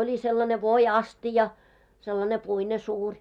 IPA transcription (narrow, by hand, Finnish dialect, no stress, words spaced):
oli selːɑne ʋoiɑstijɑ selːɑne puine suːrʲ